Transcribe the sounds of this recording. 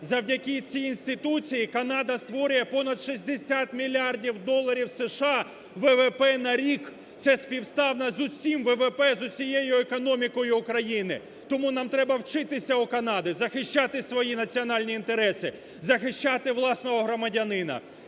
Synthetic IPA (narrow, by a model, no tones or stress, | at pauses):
zɐwdʲɐkʲit͡sʲiːnʲsʲt̪ɪt̪ut͡sʲijikɐnɑd̪ɐst̪ʋɔɾʲʊjɛpɔnɐd̪ʃizʲd̪esʲat̪mʲilʲːiɑrdʲiwd̪ɔlˠːɐɾʲiwseʃɑ | ʋɛʋɛpɛnɐɾʲik | t̪sɛspʲiwst̪ɑwnɐzʊsʲimʋɛʋɛpɛzʊsʲijejʊekɔnɔmʲikɔjʊːkɾɐjinɪ | t̪ɔmunɑmt̪ɾɛbɐwt͡ʃɪt̪ɪsʲɐʊkɐnɑd̪ɪzɐxɪʃt͡ʃɑt̪ɪsʋɔjinɐt͡sʲiɔnɑlʲnʲiːnt̪eɾɛsɪ | zɐxɪʃt͡ʃɑt̪ɪʋlˠɑsnɔɦɔɦɾɔmɐdʲɐnɪnɐ̰